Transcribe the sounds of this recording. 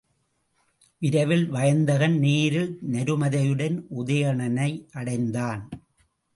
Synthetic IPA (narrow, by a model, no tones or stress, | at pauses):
ʔɪɾɐʋɪlʋɐjɐnd̪ɐɣɐnneːɾɪlnɐɾɯmɐðɐjɯɽɐnʔʊðɐjɐɳɐnɐɪʔɐɽɐɪnd̪aːn